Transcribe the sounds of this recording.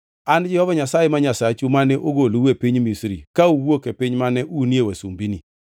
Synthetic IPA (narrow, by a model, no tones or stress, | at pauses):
and͡ʒɪhɔvaɲasajemaɲasat͡ʃumanɛʔoɡoluwepiɲmisɾḭkauwokepɪɲmanɛʔunjewesumbini